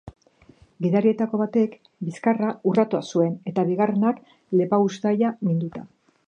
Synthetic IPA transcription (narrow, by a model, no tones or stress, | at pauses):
ɡiðaɾie̞t̪ako̞βat̪e̞k | biskaraurat̪uasue̞ne̞t̪aβiɣare̞nak | le̞paust̪ajamind̪ut̪a